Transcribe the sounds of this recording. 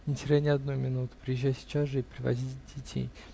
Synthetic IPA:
nʲɪtʲɪɾʲanʲɪɐd̪nujmʲɪnut̪ʊ̥pɾʲɪjɪʒʲːæjsʲɪ̥t͡ɕasʐɨpɾʲɪvɐ̰dʲitʲdʲɪtʲʰḛj

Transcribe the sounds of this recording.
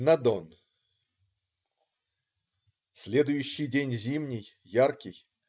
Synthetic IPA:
nɐd̪on | sʲlʲe̞d̪ʊjʉɕːɪjdʲenʲzʲimnʲɪjːarkʲɪj

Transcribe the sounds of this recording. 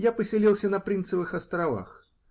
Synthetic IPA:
japəsʲɪlʲilˠsʲənɐpɾʲint̪səvɨxɐst̪ɾɐva̰x

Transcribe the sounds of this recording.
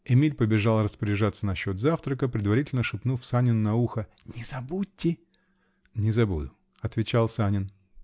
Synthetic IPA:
ɪmʲilʲpəbʲɪʐalˠrəspəɾʲɪʐat̪sənɐɕːo̞t̪zaft̪ɾəkəpɾʲɪd̪vɐɾʲitʲɪlʲnəʂɨpnufsanʲɪnnɐuxə | nʲɪzɐbutʲːɪ | nʲɪzɐbud̪ʊ | ɐt̪vʲɪt͡ɕalˠsanʲɪn

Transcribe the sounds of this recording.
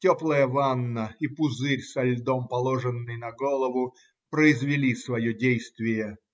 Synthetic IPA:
tʲoplˠəjəvanːəipʊzɨɾʲsɐlʲd̪ompɐlˠoʐɨnːɨjnɐɡolˠəvʊ | pɾəɪzvʲɪlʲisvɐjodʲejst̪vʲɪjə

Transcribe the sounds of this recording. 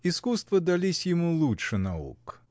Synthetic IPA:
iskust̪vɐd̪alʲisʲjɪmulˠutʂɨnaṵk

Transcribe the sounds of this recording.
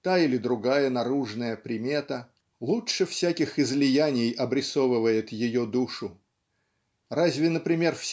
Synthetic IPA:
t̪ailʲɪd̪ɾʊɡajənɐɾuʐnəjəpɾʲɪmʲe̞t̪ə | lˠutʂɨfsʲækʲɪxɪzlʲɪjænʲɪjɐbɾʲɪsovɨvəjɪt̪jɪjod̪uʂʊ | razʲvʲɪnəpɾʲɪmʲe̞rfsʲ

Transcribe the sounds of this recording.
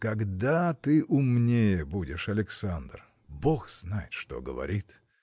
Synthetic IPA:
kɐɡd̪at̪ɨʔʊmnʲejəbudʲɪʂɐlʲɪksand̪r | boxz̥najɪt̪ʂt̪o̞̰ɡəvɐ̰ɾʲit̪

